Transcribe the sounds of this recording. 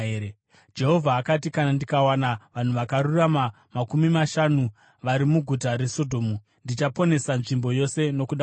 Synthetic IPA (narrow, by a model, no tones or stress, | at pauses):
d͡ʒe̞ɦo̞vʱaːkat̬ikanandikawanaʋan̤uʋakaɾurama | makumimaʃanu | ʋaɾimuɡʱutaɾe̞so̞dʱo̞ːmu | ndit͡ʃapo̞ne̞sanʐimbo̞jo̞se̞no̞kuɗa